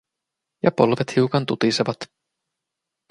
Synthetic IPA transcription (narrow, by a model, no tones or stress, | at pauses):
jɑpo̞lʋet̪hiukɑnt̪ut̪iseʋɑt̪